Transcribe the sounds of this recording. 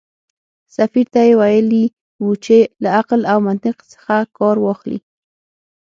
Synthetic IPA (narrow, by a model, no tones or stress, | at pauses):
safiɾt̪ajewajəli | wut͡ʃelaaqlawmant̪ɪqsə̥xakɑɾwɑxlḭ